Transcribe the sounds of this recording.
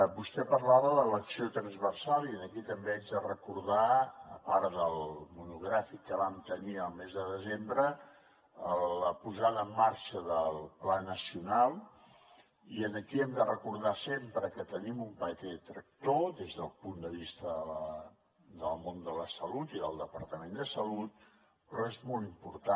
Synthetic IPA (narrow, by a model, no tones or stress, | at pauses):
bust̪ɛpəɾlaβələləksiot̪ɾənzβərsalˠiənəkit̪əmbeɛnzðərəkuɾðaəpaɾðəlˠmunuɣɾafikːəβamt̪əniəlˠmezðəðəzembɾə | ələpuzaðəːmːaɾʃəðəlˠplanəsiunalˠ | iənəkiɛmd̪ərəkuɾðasempɾəkət̪ənimumpət̪ɛt̪ɾək̚t̪oðezðəlˠpund̪əβ̞ist̪əðələ | d̪əlˠmond̪ələsəlut̪iðə̰lˠd̪əpəɾt̪əmend̪əsəlut̪̚ | pɾɔezmɔlˠimpuɾt̪a